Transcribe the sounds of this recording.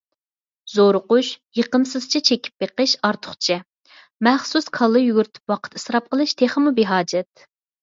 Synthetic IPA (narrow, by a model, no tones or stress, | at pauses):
zoɾʊqʊʃjəqəmsɨz̥t͡ʃʰit͡ʃʰekʲʰi̥p̚beqəʃɑɾt̪ʰʊ̥χt͡ʃʰɛ | mɛχsuskʰɑlˠːɨjyɡʲyɾt̪ʰɪ̥pwɑqʰə̥t̪ɨsɾɑp̚qəlˠɨʃt̪ʰeχəmubeɦɑːd͡ʒɛt̪̚